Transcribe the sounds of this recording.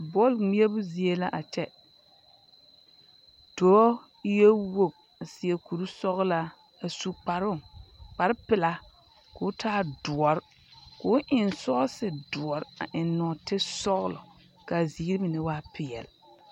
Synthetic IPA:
bɔ˦˨lŋ͡mi˦e˦bʊ˦zi˨e˦la˦ʔa˨t͡ʃɛ˦ | d̥oː˨˦ | je˦wo˨b̚ | a˨sɪ˨e˨ku˨ɾu˦sɔ˦ɣla˦ | a˨su˦k͡pa˨ɾʊ˦˨k͡pa˨ɾɪ˦pɪ˨la˦ | kʊ˨˦tʰaː˦dʊ˨ɔ˨ɾ | kʊ˨˦ʊ˦ʔɪ˨nsɔ˦sɪ˨dʊ˨ɔ˨ɾa̰˨ʔɪ˨nːɔ˨tɪ˦sɔ˦ɣʊ˦lɔ˨ | ka˨zi˨˦ɾi˦bɪ˨nɪ˦waː˦pɪ˦jɛ̰˨lɪ˨

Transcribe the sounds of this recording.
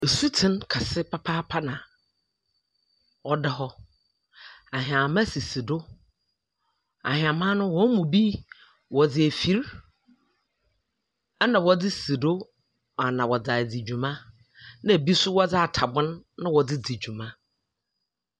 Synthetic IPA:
e˨su˦tʰɪ̃˦nkʰa˨sɪ˦pʰa˦pʰaː˦pʰa˦nã˨ | ɔ˦dɪ˦ɦɔ˦ | a˨ɦɪ̃˨ã˨mã˦si˨si˨do˦ | a̰˨ɦɪ̃˨ã˨mã˦nʊ̃˦wɔ̃˦mũ˨bi˦ | wɔ˨d͡zɪ˨æ˨fi˨˦ɾ | a˦nã˨wɔ˦d͡zɪ˦si˨do˦˨ | a˨nã˨wɔ˨d͡za˨d͡zi˨d͡ʑᶣu˨mã˦ | nã˦æ˨bi˦sʊ˦wɔ˦d͡zɪ˦a˨tʰa˨bʊ̃˦nːã˦wɔ˨d͡zɪ˦d͡zi˨d͡ʑu˨mã˦

